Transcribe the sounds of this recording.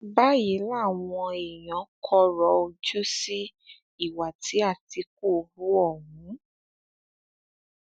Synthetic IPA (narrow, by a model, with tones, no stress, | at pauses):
ba˦ji˨˦la˦˨w̃ɔ̃˧e˨j̃ɔ̃˨˦kʰɔ˦ɾɔ˨˦o˧d͡ʒu˦si˦ | i˦˨wa˨tʰi˨˦a˦˨ti˧˦k̚o˦˨˧bu˦ɔ˦˨ɦũ˨˦